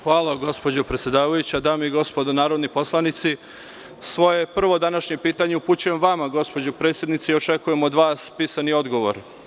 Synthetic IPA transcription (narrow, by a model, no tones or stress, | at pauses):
xʋaːlˠaɡo̞spo̞d͡ʑopɾe̞t̪sjed̪aːʋajut͡ɕad̪aːmeiɡo̞spod̪onaːɾo̞d̪nipo̞slˠanit̪si | sʋo̞je̞pr̩ʋo̞d̪anaʃɲe̞piːt̪aɲe̞upuːt͡ɕujemʋamaɡo̞spo̞d͡ʑopɾet̪sʲje̞d̪nit̪seio̞t͡ʃe̞kuje̞mod̪ʋaːspiːsanio̞d̪ɡo̞ʋo̞̰ɾ